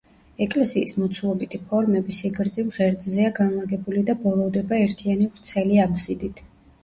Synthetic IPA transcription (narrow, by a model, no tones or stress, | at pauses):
ɛkʼlɛsiːsmɔt̪sʰulˠɔbit̪ʰipʰɔɾmɛbisiɡɾd̪zimʁɛɾd̪zziaɡanlˠaɡɛbulid̪abɔlˠɔvd̪ɛbaɛɾt̪ʰianivɾt̪sʰɛliabzid̪it̪ʰ